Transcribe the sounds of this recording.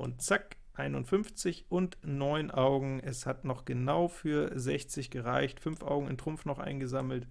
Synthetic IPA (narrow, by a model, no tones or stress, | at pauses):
ʔʊ̰ntt͡sak | ʔaɪnʊntfʏnft͡sɪçʔʊntnɔʏnʔaʊɡŋ̩ʔɛshatnɔχɡ̥ənaʊfyːɐzɛçt͡sɪçɡ̥əʁaɪçtfʏnfʔa̰ʊɡŋ̩ɪ̰ntʁ̥ʊmfnɔχʔa̰ɪnɡəzaml̩t